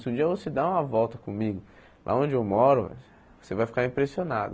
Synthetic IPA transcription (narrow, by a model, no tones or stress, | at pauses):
sɪũd͡ʒiɐvosed̪aũmɐvɔwt̪ɐkõmiɡʊ | lʔa̰õnd͡ʒɪewmɔɾʊ | osevajfi̥kaɾĩpɾesiona̰d̪ʊ